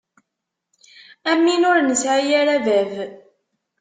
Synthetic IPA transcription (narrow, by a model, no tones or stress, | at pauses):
æmːinʊɾnəsʕijaɾævæv